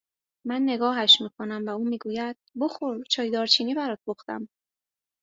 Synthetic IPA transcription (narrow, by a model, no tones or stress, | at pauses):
mænːe̞ɡɒːɦæʃmiːkʰo̞næmvæuːmiːɡuːjæd̪̥̚boxoɾt͡ʃʰɒːjd̪ɒːɾt͡ʃʰiːniːbæɾɒːt̪̚boxt̪æ̰m